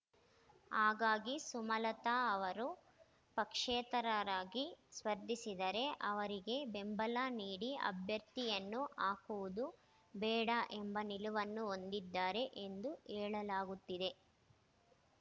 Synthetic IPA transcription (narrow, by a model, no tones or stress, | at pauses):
aːɡaːɡisumɐlɐt̪aɐʋɐɾu | pɐkʂeːt̪ɐɾɐɾaːɡisʋɐɾd̪ʱisid̪ɐɾe̞ʔɐʋɐɾiɡe̞bembɐlaːniːɽiɐ̰bʱjɐɾt̪ijɐnːuʔaːkuʋud̪u | bɛːɽaʔembɐniluʋɐnːuo̞nd̪id̪ːaːɾe̞ʔe̞nd̪uʔɛːɭɐlaːɡut̪ːid̪e̞